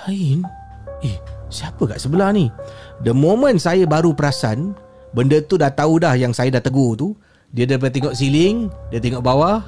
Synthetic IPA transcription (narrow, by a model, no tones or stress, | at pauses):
ain | ɛhsiapəka̰ʔsəbəlahnidəmomə̃nsajəbaɾupəɾasan | bəndət̪udaht̪audahjaŋsajədaht̪əɡot̪u | diədap̬ət̪ːeŋɔʔsilɪŋdiət̪eŋɔʔbawah